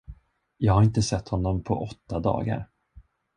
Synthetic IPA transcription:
jɑːɡhaɾɪnt̪əsɛt̪hɔnːɔmpʰɔ̰ʔɔt̪ːad̪ɑ̰ːɡa̰ɾ

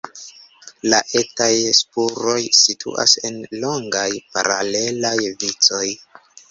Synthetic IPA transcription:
laʔetajspuɾo̞jsitʰṵʔa̰se̞nlo̞ŋɡajpa̰ɾale̞lajvit͡so̞j

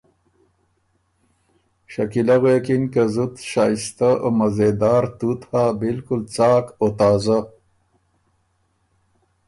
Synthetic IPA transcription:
ɕakilaɣeːkinkazut̪ʃaːjst̪aomɐzed̪ɑːɾt̪ut̪haːbilkult͡sɑːkot̪aːza

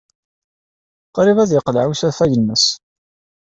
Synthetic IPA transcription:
qɾivæðjəqlʕusæfæjəlməs

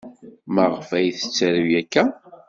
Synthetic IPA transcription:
məʁfæjθə̥t͡sːæɾəwjækːæ

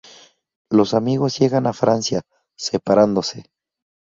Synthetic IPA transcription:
lo̞samiɣo̞zje̞ɣanafɾansja | sepaɾand̪o̞se̞

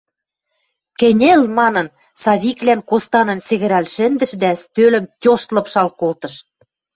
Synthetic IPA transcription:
kɘ̆nʲelmɑnɤ̆n | sɑβʲiklænkost̪ɑnɤ̆nsĕɣɘ̆ɾɑlʃɘ̆nd̪ɘ̆ʃd̪æst̪ølə̆mtʲoʃt̪lɤ̆pʃɑlkolt̪ɤ̆ʃ

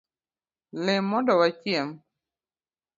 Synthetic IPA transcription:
lɛmːɔndɔwat͡ʃjɛm

